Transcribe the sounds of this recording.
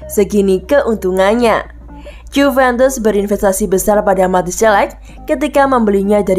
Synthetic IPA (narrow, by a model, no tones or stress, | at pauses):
səɡinikəʔunt̪uŋanɲa | d͡ʒufɛnt̪əsbəɾinfɛst̪asibəsarpadamat̪isɛlɛkː | ət̪ikaməmbəliɲadaɾ